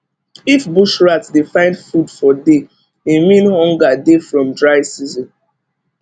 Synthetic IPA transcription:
ifbuʃɹatdefãɪ̃ndfudfɔde | emĩnhɔ̃ŋɡadefɹɔ̃mdɹaɪsizɔ̃n

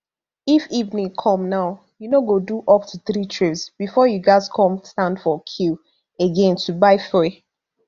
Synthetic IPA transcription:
ifivnĩŋkʰɔ̃mnaʊ | junoɡoduʔɔftʰuθɾitʰɹipsb̥ifɔjuɡaɪzkʰɔ̃mstãndfɔkʰil | eɡɛ̃ntʰubaɪfeɪ

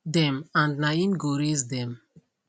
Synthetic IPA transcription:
dɛ̃mãndnaĩnɡoɾis̬d̪ɛ̃m

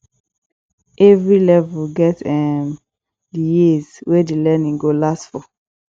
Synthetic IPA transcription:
ʔɛvɹilɛvuɡɛtɛm | dəjizwedelɛnĩŋɡolastfɔ

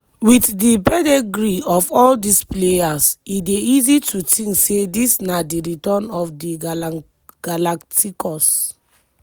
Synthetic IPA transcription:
wiθdipɛdeɡɹiɔfɔldisplejasideizitʰutĩŋksedisnadiɹitɔnɔfdi | ɡ̥alaktʰikʰɔs

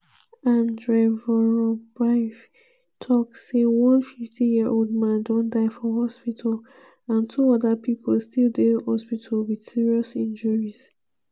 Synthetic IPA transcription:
ãndɹevɔɹɔbɹaɪf | tʰɔksewɔ̃nfiftʰĩjiəɹʔolˠd̚mãndɔ̃ndaɪfɔɦɔspitʰal | ãntʰuɔðəpʰipʰolˠstilˠdehɔspitʰəlwid̥siɹiɔsĩnd͡ʒəɹiz̥

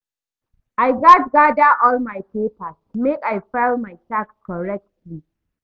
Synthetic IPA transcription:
ʔajɡat̚ɡadaʔɔlmajpepasmekajfɛlmajtakkʰɔɹɛk̚tʰli

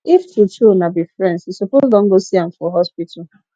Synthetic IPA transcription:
iftutʰunabifɾɛ̃ndsisopozdɔ̃ŋ̩ɡosiam̩fɔɦɔspitʰa

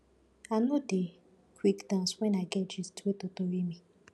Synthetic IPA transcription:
anode | kʰʷwikdãnswɛ̃naɡɛd͡ʒiztetotoɾimĩ

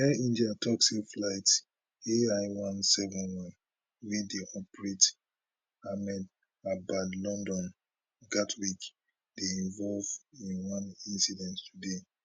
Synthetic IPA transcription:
hɛĩndiatʰɔksikflaɪts | eaɪwãnsɛvɔ̃nwãn | wideʔɔpɹet | amɛd | abadlɔ̃ndɔ̃n | ɡatwik | deĩɱvɔlvĩnwãnĩnsidɛ̃nttude

